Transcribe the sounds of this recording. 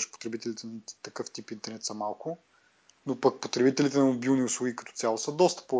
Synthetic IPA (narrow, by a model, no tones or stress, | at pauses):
ʃpo̥t̪ɾɛbit̪ɛlit̪ɛnɐt̪ɐkɤft̪ipint̪ɛɾnɛt̪sɐmalˠkʊ | nopɐk̚pot̪ɾɛbit̪ɛlit̪ɛnɐmobilˠnʲiʊslˠuɡikɐt̪ɔ̥tsʲjalˠosəd̪ɔst̪ə̥po